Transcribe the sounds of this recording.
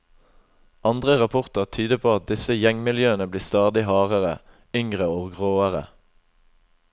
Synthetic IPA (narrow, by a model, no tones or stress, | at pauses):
ɑnd̪ʁəʁɑpʰʊʁt̪əʁt̪ʰyːd̪əpʰoːɑt̪̚d̪ɪsəjɛŋmɪljøːənəbliːst̪ɑːd̪ɪhɑːʁəʁə̰ | ʏŋʁəoːɡʁoːəʁə̰